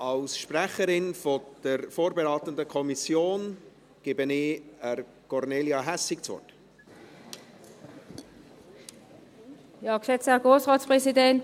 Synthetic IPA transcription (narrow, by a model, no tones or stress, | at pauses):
ɑlsʃprɛχəɾɪnfɔd̥əɾfoːɾbeɾɑːt̪əndəkʰɔmisjoːn | ɡ̥ɪbənɪəɾ | kʰɔrneːljɑɦæsɪkt͡sʋɔ̰t | jɑːksɛt͡shæɡ̥ʁoːsʁaːt͡spʁɛsidɛnt